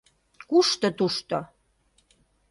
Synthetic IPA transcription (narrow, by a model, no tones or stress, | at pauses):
kuʃt̪ot̪uʃt̪o